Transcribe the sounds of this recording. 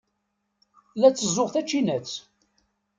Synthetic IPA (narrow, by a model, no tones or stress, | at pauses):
læt͡sːəzːʊʁθæt͡ʃːinæt͡s